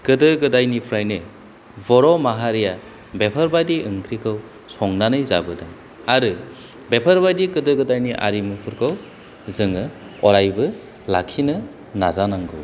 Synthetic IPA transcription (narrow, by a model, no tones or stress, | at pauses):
kɯdɯɡɯdajnipʰɾajnɯ | bɔɾɔmaɦaɾija | bepʰaɾbajdiʔɯŋkʰɾikʰɯw | sɔŋnanɯjza̰bɯdaŋ | aɾɯ | bepʰaɾbajdikɯdɯɡɯdajniʔa̰ɾimɯpʰɯɾkʰaw | zɯŋɯ | ɔɾajbɯ | la̰kʰːinɯ | nazanaŋɡɯ̰w